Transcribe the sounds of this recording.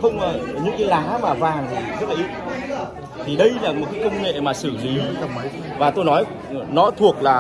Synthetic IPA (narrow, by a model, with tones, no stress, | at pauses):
xə˧wŋ͡məː˨˩ɲɨ̰˧˥ŋkaː˨˦jlaː˨˦maː˨˩vaː˨˩ŋt̪ʰi˨˩zə˦˥laː˨i˦˥t̚ | t̪ʰi˨˩ɗə˧jlaː˨˩mo˨˩t̚kaː˨˦jkə˧wŋ͡mŋḛ˧˨maː˨˩sɨ˧˩li˨˦˧ | vaː˨˩t̪o˧jnɔ˨˦j | nɔ˨˦t̪ʰu˨˩ək̚laː˨˩